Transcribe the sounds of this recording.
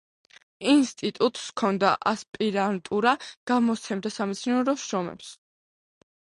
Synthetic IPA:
inst̪ʼit̪ʼut̪ʼskʰɔnd̪a̰ʔaspʼiɾant̪ʼuɾaɡ̥amɔt̪sʰɛmd̪asamɛt̪sʰnɔɾɔʃɾɔmɛ̰ps

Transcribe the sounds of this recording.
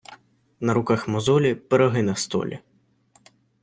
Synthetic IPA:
nɐɾukaxmɔzɔlʲipɛɾɔɦɨnɐst̪ɔ̰lʲɛ̰

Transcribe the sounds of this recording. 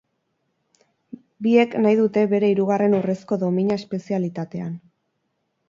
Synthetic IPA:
bie̞knajðut̪e̞βe̞ɾe̞iɾuɣare̞nure̞sko̞ðo̞miɲae̞spe̞sialit̪at̪e̞an

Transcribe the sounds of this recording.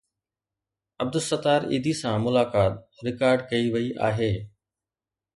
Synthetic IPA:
əb̚d̪əsət̪aːɾḭːd̪iːsãːmʊlaːkaːt̪ | ɾɪkaːɾɖkəiʋəiʔa̰ːɦeː

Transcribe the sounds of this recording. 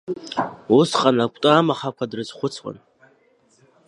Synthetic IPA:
usqʼanakʷʼtʼaːmaχakʷʰadrɨzχʷʊt͡sʰwʼa̰n

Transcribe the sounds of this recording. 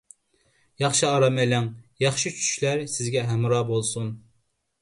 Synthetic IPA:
jɑχʃiɑɾɑmɛlæŋjɑχʃit͡ʃʰy̥t͡ʃʰy̥ʃlæɾsɪzɡʲɛɦæmɾɑːbolˠsun

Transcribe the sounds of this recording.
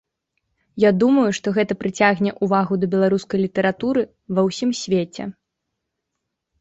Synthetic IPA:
jad̪umɐjuʂt̪ɔɣɛt̪ɐpɾɨt͡sʲaɣnʲɛʔuvaɣud̪ɐbʲɛlˠaɾuskɐjlʲit̪ɐɾat̪uɾɨ | vɐwsʲimsʲvʲet͡sʲɛ̰

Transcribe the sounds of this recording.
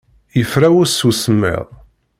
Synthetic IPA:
jəfɾæwʊɾsusəmːɪ̰ðˤ

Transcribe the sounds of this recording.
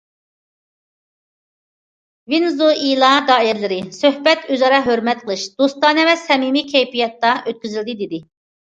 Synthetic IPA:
vinzuilˠɑd̪ɑːiɾlɪɾɪsøhbɛt̪ʰøzɑɾɑɦøɾmɛt̪̚qʰəlˠɨʃd̪̥ost̪ɑːnɛvɛsɛmimikʲʰɛjpijɛt̪ːɑʔøt̪̚kʲyzyld̪ɪd̪ɪd̪ɪ

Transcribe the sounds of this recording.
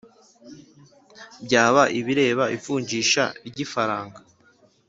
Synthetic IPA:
bɟaːβaʔiβiɾe̞ːβaifuːɲɟiːʃa̰iɟifaɾaːŋɡa

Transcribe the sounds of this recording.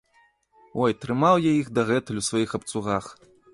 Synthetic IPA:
ɔjt̪ɾɨmawjaiɣd̪ɐɣɛt̪ɨlʲuwsvajixɐp̚t̪suɣax

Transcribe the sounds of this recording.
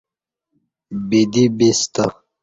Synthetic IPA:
bid̪ibist̪a

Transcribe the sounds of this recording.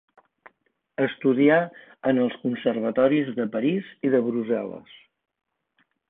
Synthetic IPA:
əst̪uðia | ənəlˠskunsərβ̞ət̪ɔɾizðəpəɾiziðəβɾuzɛlə̰s

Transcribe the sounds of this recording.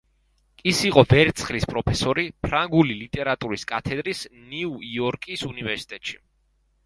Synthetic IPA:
kʼisiqʼɔvɛɾt̪sʰχlispʼɾɔpʰɛsɔɾipʰɾaŋɡulilit̪ʼɛɾat̪ʼuɾiskʼat̪ʰɛd̪ɾisniuiɔɾkʼisunivɛɾsi̥t̪ʼɛt̪ʼʃi

